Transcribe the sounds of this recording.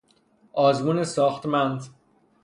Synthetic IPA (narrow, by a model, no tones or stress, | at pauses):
ʔɒːzmuːnesɒːxt̪mænd̪